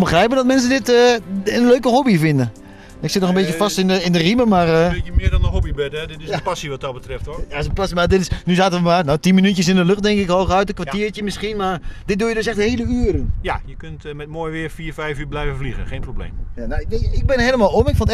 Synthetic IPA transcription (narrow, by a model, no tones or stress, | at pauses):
mbəxrɛjpəndɔt̚mɛns̬əndɪtəənløːkəɦobifɪndə | ɪksɪt̚nɔxəmbetjəfastɪnəɪndəriməmarəmɪədɔnəɦobibɛtɛdɪtɪspasiʋɔt̚dɔt̚bətrɪftojasəpasimadɪtɪsnyzaːtəʋəmanawtinminytjəs̬ɪndəløxt̚dɛŋkɪkhoxœɥtəkʋaiətjəmɪskinmard̥ɪt̚dujədøsɛxtheːləyəɾənjajəkøntmɛtmoːjʋɪərfiːrfɛjfyːblɛjvəfliɣəxeːnproblḛːmjanaɪɪk̚bɪnəhejləmalˠomɪkfɔnt